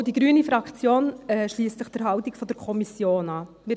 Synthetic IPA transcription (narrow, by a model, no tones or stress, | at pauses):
d̥iɡɾyːnifɾɑkt͡sjoːnɛʃliːstt͡sɪχd̥əɾɦɑʊtɪkfɔd̥əɾkʰɔmisjoːnɑː | mɪɾ